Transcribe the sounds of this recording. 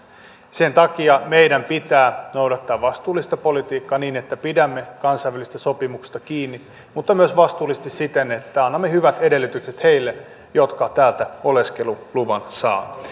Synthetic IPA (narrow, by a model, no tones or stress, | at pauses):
sent̪ɑkiɑmeijdæmpit̪æːnowdɑt̪ːɑːʋʋɑst̪uːlːˑist̪ɑpo̞lit̪iːkːɑːniːnet̪ːæpidæmːekɑnsɑjʋːælist̪æso̞pimuksst̪ɑkiːnːi | mut̪ːɑmyøsʋɑst̪uːlˑist̪issit̪enet̪ːæɑnːɑmːehyʋæt̪ede̞lːyt̪ykset̪he̞ilːe | jot̪kɑt̪æːlt̪æo̞leskeluluʋɑnsɑ̰ː